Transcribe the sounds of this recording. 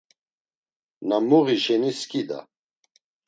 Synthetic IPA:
namuʁiʃɛniskʼid̪a̰

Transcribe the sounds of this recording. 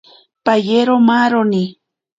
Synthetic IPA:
pajeɾomaɾoni

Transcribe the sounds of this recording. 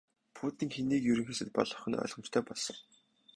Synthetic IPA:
pʰuːt̪iːŋxeniːkjɵɾɵ̆ŋxeːsɘ̆t̪̚pɔ̰ɮɞ̆χɘ̆nœ̰ɮʁ̥ɞ̆mt͡ɕt̪ʰœːpɔɮsɞ̆r

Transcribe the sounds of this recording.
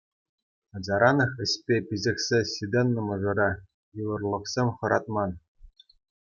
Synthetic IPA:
ɑd͡ʑɑɾɑnɤ̆χɘ̆sʲpʲepʲizʲɘ̆kʲsʲesʲid̪ʲenːɤ̆mɤ̆ʐɤ̆ɾɑ | jɯʋɤ̆rlˠɤ̆χsʲemʲχɤ̆ɾɑt̪̚mɑn

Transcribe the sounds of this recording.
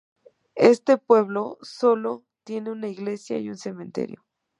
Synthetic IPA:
est̪epwe̞βlosolo | t̪je̞neunaiɣlesja̰iunsemẽnt̪ḛɾjo̰

